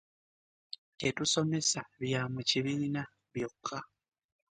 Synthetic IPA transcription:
te̞tuso̞me̞saβjaːmuciβina | βjo̞kʰːa

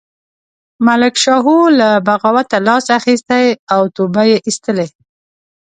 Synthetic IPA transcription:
malɪkʃɑɦulabaɣawat̪alɑsaxist̪ajawt̪obajeʔist̪əle

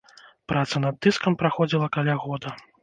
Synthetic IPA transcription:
pɾʔat̪sɐnɐd̪ːɨskɐmpɾaxɔd͡zʲilˠɐkalʲaɣɔd̪ɐ

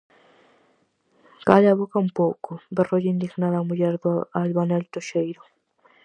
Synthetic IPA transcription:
kaʎaβokaumpowkʊberoʝind̪iɣnaðamuʎɛɾðalβanɛlt̪oʃejɾʊ

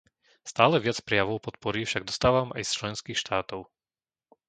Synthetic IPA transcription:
st̪aːlɛʋɪat͡spɾɛjaʋɔʊpɔt̪̚pɔɾifʃaɡ̚d̪ɔst̪aːʋamʔa̰jst͡ʃlɛnskiːxʃt̪aːt̪ɔʊ

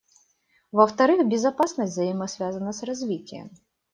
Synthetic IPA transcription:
ʋɐwt̪ɐɾɪxbʲizɐpasnɐsʲt̪ʲzɐjimɐsʲʋʲazɐnɐsrɐzʲʋʲitʲːɛ̰m

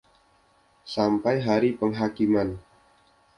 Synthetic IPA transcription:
sampajɦaɾipəŋɦakiman

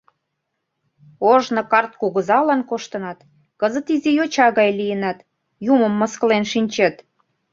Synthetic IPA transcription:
oʒnŏkɑrt̪̚kuɣə̆zɑlɑnkoʃt̪ənɑt̪ | kəzət̪izijot͡ɕɑɣɑjlijənɑt̪ | jumə̆mːəskəlenʃinʲt͡ɕet̪

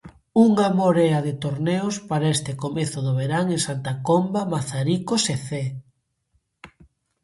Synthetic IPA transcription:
uŋamoɾɛɐðɪt̪oɾneʊspaɾaest̪ɪkomeθʊðʊβeɾaŋeŋsant̪akombamaθaɾikoseθe

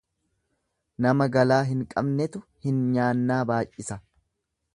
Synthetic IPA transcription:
nɐmɐɡɐlaːɦɪŋkʼɐbnɛt̪ʊhɪnɲaːnːaːbaːjːɪsɐ

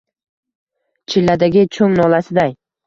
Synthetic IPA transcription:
t͡ʃʰɪlːad̪aɡʲɪt͡ʃʰɵŋnɒlasɪd̪aj

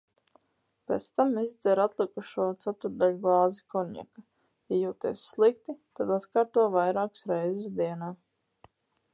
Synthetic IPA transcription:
pʲḛːt̪st̪amizd̪zɛɾat̪lˠikuʃuɔt̪sat̪uɾd̪alʲuɡlˠɑːzikɔɲḭka | jajuːt̪ḭɛsːlˠik̚t̪it̪ad̪at̪kaːɾt̪uɔvajɾaːksɾɛjzɪsd̪iɛnaː

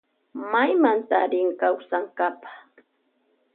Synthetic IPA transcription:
majmant̪aɾɪŋkawsaŋkapḁχ

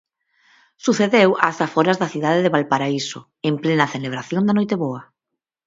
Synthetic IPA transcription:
suθeðewasafoɾazðɐθiðaðeðeβalpaɾaiso̰ | emplenɐθeleβ̞ɾaθjond̪anojt̪eβoɐ

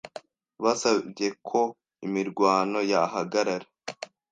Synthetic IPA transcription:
βasabɟe̞kʰo̞ | imiɾɡwaːno̞jaɦaɡaɾaɾe

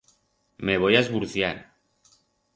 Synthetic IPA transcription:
meβ̞ojaezβuɾθjaɾ

